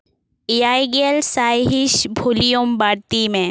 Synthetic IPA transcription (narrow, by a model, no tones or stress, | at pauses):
ijajɡelsajɦiʃbʱulijombaɽt̪imẽ